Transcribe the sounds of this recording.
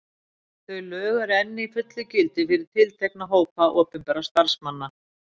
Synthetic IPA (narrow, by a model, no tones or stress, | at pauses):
θœɥlœːɣaɾɛnːɪifʏt̪lʏcɪlt̪ɪfɪɾɪɾ̥t̪ʰɪlt̪ʰeknaɦoːwpaʔɔːpɪmpɛɾast̪aɾ̥smanːa